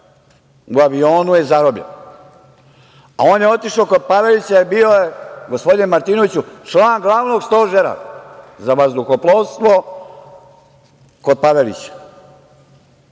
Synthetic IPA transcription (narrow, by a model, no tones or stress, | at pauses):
uaʋio̞ːnujezaɾobʎḛn | a̰o̞ːnjeo̞t̪iʃoko̞d̪̚paʋe̞lit͡ɕaibioje̞ɡospo̞d̪inmaɾt̪iːnoʋit͡ɕut͡ʃlˠaːnɡlˠaʋno̞ɡst̪o̞ːʒeɾa̰zaʋazd̪uxoplˠoʋst̪ʋo̞ | ko̞d̪̚paʋelḭt͡ɕḁ